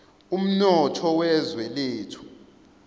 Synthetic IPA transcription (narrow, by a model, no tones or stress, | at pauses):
um̩nɔtʰɔwɛzwɛleːtʰu̥